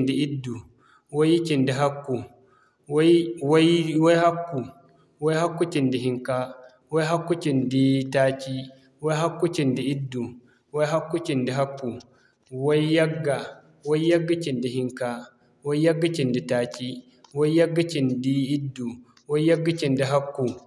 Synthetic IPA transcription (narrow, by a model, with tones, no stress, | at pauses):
ndi˦ʔi˦dːu˨ | wo˦jt͡ʃi˨ndi˨ɦa˦kːu˨ | wwa˦jwa˦jha˦kːu˨ | wɔ˦jha˦kːu˦t͡ʃi˨ndi˨ɦi˦ŋka˦ | wa˦jɦa˦kːu˦t͡ʃi˨ndi˦taː˦t͡ʃi˦ | wa˦jɦa˦kːu˦t͡ʃi˨ndi˦i˦dːu˨ | wa˦jɦa˦kːu˦t͡ʃi˨ndi˨ɦa˦kːu˨ | wa˦i˦ja˦ɡːa˨ | wa˦jja˦ɡːa˦t͡ʃi˨ndi˨hi˦ŋka˦ | wa˦jja˦ɡːa˦t͡ʃi˨ndi˨taː˨t͡ʃi˦ | wa˦jja˦ɡːa˦t͡ʃi˨ndi˦i˦dːu˨ | wa˦jja˦ɡːa˦t͡ʃi˨ndi˨ɦa˦kːu˨